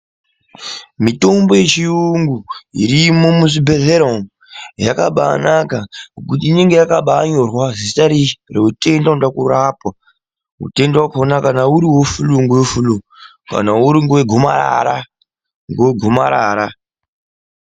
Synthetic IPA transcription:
mito̞mbo̞je̞t͡ʃiuŋɡuḭɾimo̞musibʱeɮeɾom | jakaɓa̰nakaŋokutiːne̞ŋɡe̞jakaɓaɲorwazisi̥taɾireute̞ndaundakurapwa | ṵte̞ndawakonakanauɾiwofuluŋɡoofulu | ka̰nauɾiŋɡoweɡʱoma̰ɾa̰ɾa | ŋɡweɡʱoma̰ɾa̰ːɾa

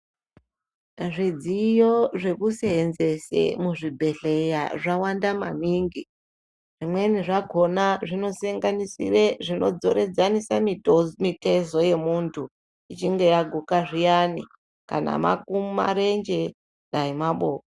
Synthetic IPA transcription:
ʐid͡zijoʐe̞kuseːnze̞sḛmuʐibʱe̞ɬe̞jaʐawandamaniŋɡi | ʐimwe̞niʐaɡʱo̞naʐino̞saŋɡanisḭreʐino̞̰d͡zo̞ɾed͡zanisamimite̞zo̞je̞muntʰu | it͡ʃiŋɡe̞jaɡʱukaʐijani | ka̰na̰ma̰kuma̰ɾe̞nd͡ʒe̞ | ɗaimaɓo̞ːko

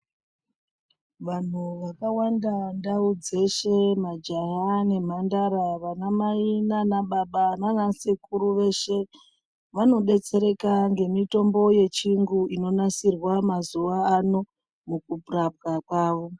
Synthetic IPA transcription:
ʋan̤uʋakawandandaud͡ze̞ʃe̞mad͡ʒaɦane̞m̤andaɾaʋanamainanaɓaɓananasikuɾuʋe̞ʃe̞ | ʋano̞ɗe̞t͡se̞ɾe̞kaŋɡe̞mito̞mbo̞je̞t͡ʃiŋɡuino̞nasirwamazuʋaːno̞ | mukupurap̚kakwaːʋo̞

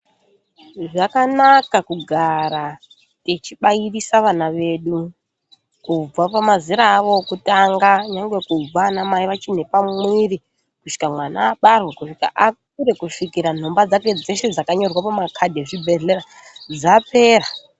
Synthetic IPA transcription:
ʐakanakakuɡʱaɾa | tet͡ʃiɓairisaʋanaʋe̞ɗu | kub͡vapamaziɾaːʋo̞kutaŋɡaɲaŋɡwe̞kub͡vanamaiʋat͡ʃin̤e̞pamwiri | kuʃi̥kamwana̰ːɓarwekuʂika̰ʔak̚uɾe̞kuʂikiɾan̤o̞mbad͡zake̞d͡ze̞ʃe̞d͡zakaɲo̞rwapamakʰadʱeʐibʱe̞ɮeɾa | d͡zape̞ːra

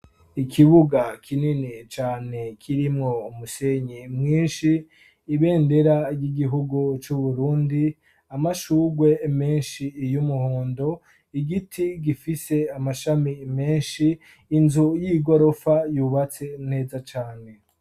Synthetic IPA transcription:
ikʰiβuɡakʰininit͡ʃaːne̞kʰiɾimŋo̞umuseɲimŋiːnʃiː | βe̞ːnde̞ɾaɾjiɡiɦuɡut͡ʃuβuɾuːndi | amaʃuːɡwe̞me̞ːnʃijumuhoːndo̞ | iɡitʰiɡifise̞amaʃamime̞ːnʃiː | nzujiɡo̞ɾo̞fajuːβat͡se̞ne̞ːzat͡ʃaːne̞

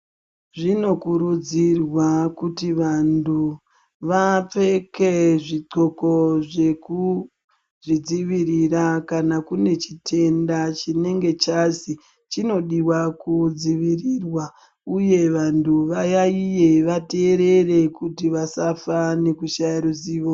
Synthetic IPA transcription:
ʐino̞kuɾud͡zirwakutiʋandu | ʋap͡fe̞ke̞ʐiǀo̞ko̞ʐe̞ku | ʐid͡ziʋiɾirakanakune̞t͡ʃitʰe̞ndat͡ʃine̞ŋɡe̞t͡ʃazi | t͡ʃino̞ɗiwakud͡ziʋirirwa | uje̞ʋantʰuʋajaije̞ʋate̞ːɾe̞re̞kutiʋasafane̞kuʃajiɾuziːʋo

